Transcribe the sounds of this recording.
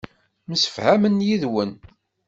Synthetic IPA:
msə̥fhæmənjiðwən

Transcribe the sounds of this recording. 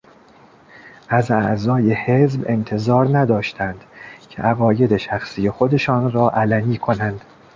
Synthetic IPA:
ʔæzæʔzɒːje̞hezbe̞nt̪ʰe̞zɒːɾnæd̪ɒːʃt̪ʰænd̪̥cʲʰe̞̰ʔæɣɒːje̞d̪e̞ʃæxsije̞xo̞d̪e̞ʃɒːnɾɒːʔælæniːkʰo̞nænd̪̥

